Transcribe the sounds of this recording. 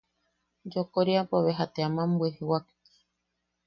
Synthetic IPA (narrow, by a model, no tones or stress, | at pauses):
d͡ʒokoɾiapoβeɦat̪eamãmbuehewak | i̥